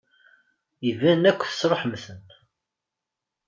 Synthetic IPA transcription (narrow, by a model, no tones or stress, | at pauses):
ivænækʷːθə̥sɾˤoħəmθən